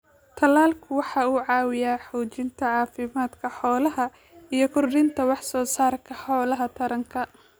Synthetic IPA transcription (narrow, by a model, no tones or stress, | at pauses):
t̪ʰɐlaːlkʰʊwɑħɑːuːʕɑːwɪjaːħɔːt͡ʃɪnt̪ʰɐʕɑːfɪmaːd̪kʰɐħɔːlɐɦɐ | ijɞkʰʊrdɪnt̪ʰɐwɑħsɔːsaːrkʰɐħɔːlɐɦɐt̪ʰɐɾɐŋkʰɐ